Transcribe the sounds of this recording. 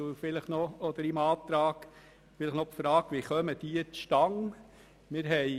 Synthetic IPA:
ufɪləχnɔɔd̪əɾimɑːt̪ɾɑːk | fɪləχnɔpfɾɑːɡʋiχœməd̥̪iːt͡sʃtɑŋ | mɪɾɦɛɪ

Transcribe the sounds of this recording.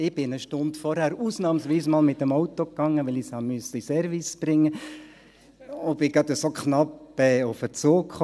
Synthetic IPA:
ɪb̥ɪnəʃtʊndfɔɾhæːɾuːsnɑːmsʋiːsmɑːlmɪt̪ːəmɔʊt̪okːɑŋːəʋɪlɪshɑmyəsəisɛɾvisb̥ɾɪŋːə | ob̥ɪɡɑt̪əsokχnɑpɛːʊfət͡soːkχɔ

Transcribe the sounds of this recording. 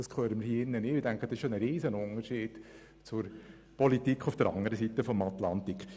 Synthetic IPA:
d̥ɑskʰøːɾəmɪɾhiːɪnːənɪːɪdæŋkχəd̥ɑsɪʃonəɾiːzənʊnəɾʃiːd̥ | t͡sʊɾ | pɔlit̪ikʰːʊfd̥əɾɑ̰ŋəɾəsitəfɔmat̪lɑnt̪ik

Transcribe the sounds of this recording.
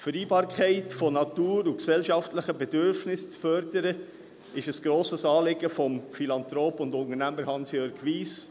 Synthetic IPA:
fəɾiːbɑːɾkʰχɛɪtfɔnɑtuːɾuksɛlʃɑftləχəbɛdʏɾfnɪst͡sfœɾdəɾə | ɪʃəsɡ̥ɾoːsəsɑːlɪɡəfɔmfilɑnt̪ɾoːpʊndʊntənæməɾhɑnsjøɾɡʋiːs

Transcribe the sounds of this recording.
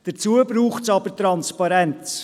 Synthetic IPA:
d̥ət͡suəbɾuːχsɑb̥əɾtɾɑnspɑɾɛnt͡s

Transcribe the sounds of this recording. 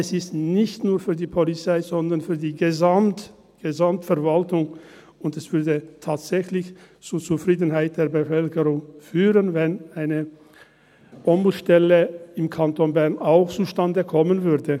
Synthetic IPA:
ɛsɪstnɪçtnuːɐfyːɐdiːpʰɔlit͡saɪzɔndɐʁnfyːɐdiːɡəzamt | ɡ̥əzamtfɛɐvaltʊŋ | ʊndɛsv̥ʏɐdətʰaːtz̥ɛçlɪçt͡suːɐt͡sufʁ̥iːdn̩ɦaɪt̚d̥eːɐbəfœlkəʁʊŋfyːʁənvɛnaɪnə | b̥ɔmbʊʃtɛləɪmkʰantonbɛʁnaʊxt͡suʃtandəkʰɔmənvʏɐdə

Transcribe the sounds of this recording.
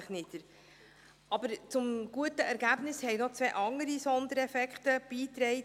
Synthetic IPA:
ɪχnɪdəɾ | ɑbəɾt͡sʊmɡ̥uətəʔɛɾɡæːb̥nɪshɛɪnot͡sʋɛːʔɑŋəɾisɔnd̪əɾɛfɛkχt̪əb̥iːt̪ɾɛɪ

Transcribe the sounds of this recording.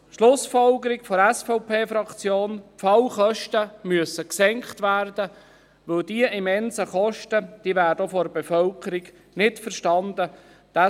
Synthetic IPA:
ʃlʊsfɔlɡəɾɪkfɔɾɛsfɔʊpʰeːfɾɑkt͡sjoːnfɑlχœʃtəmyəsəksɛŋkχtʋæːɾdə | ʋɵldiəʔimɛnzəχɔʃtəd̥iəvæːɾdəofɔɾbefœlkəɾiɡ | nɪtfəɾʃtɑnd̪ə | d̥ɑ

